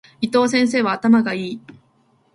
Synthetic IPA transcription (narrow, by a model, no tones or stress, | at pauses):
it̪o̞ːs̬ẽ̞ɰ̃s̬e̞ːβaːt̪amaɡaiː